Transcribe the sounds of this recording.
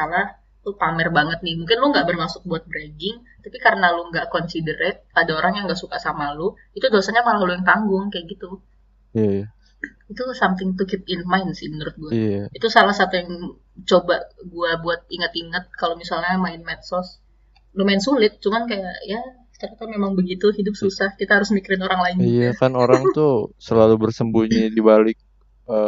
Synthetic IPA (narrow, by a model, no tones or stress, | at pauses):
alah | t̪upamɛrbaŋət̪̚nɪhmuŋkɪnlʊŋɡaʔbərmasʊk̚buat̪̚bɾeɡɪŋ | t̪apikaɾənaluŋɡaʔkɔnsidəɾɛt̪̚padaoɾaŋjaŋɡaʔsukasamalʊ | it̪udosaɲamalalujaŋt̪aŋɡʊŋkajaʔɡit̪u | it̪usamt̪ɪŋt̪ukɪt̪̚ɪnmaɪnsɪhmənuɾʊt̪̚ɡuait̪usalahsat̪ujaŋ | t͡ʃobaɡuabuat̪̚iŋət̪iŋət̪̚kalomisalɲamaɪnmɛnsɔs | domaɪnsulɪt̪̚t͡ʃumankajaʔjḁ | t͡ʃaɾat̪amemaŋbəɡit̪uhidʊp̚susahkit̪aɦaɾʊsmikəɾɪnoɾaŋlaɪnijakanoɾaŋt̪usəlalubərsəmbuɲidibalɪk̚ | ə